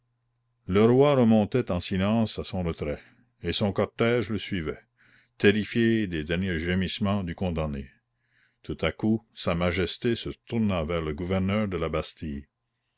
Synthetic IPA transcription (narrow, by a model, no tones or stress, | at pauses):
ləɾwaɾəmɔ̃t̪ɛt̪ɑ̃silɑ̃ːsasɔ̃ɾət̪ɾɛ | esɔ̃kɔʁt̪ɛʒləsɥivɛ | t̪eɾifjed̪ed̪ɛʁnjeʒemismɑ̃d̪ykɔ̃d̪ãne | t̪ʰut̪akusamaʒɛst̪esət̪uɾʁnavɛːʁləɡuvɛʁnœːʁd̪əlabast̪ij